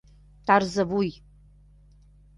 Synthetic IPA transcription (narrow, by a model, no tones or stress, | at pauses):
tʰarzɐbuj